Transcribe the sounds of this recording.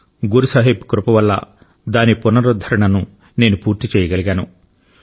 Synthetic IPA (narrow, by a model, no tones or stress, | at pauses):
ɡuɾusaːɦipkɾupɐʋɐlːɐ̰ | d̪aːnipunɐɾud̪ʱɐɾɐɳɐnu | ne̞ːnupuːɾt̪it͡ʃɛːjɐɡɐliɡaːnṵ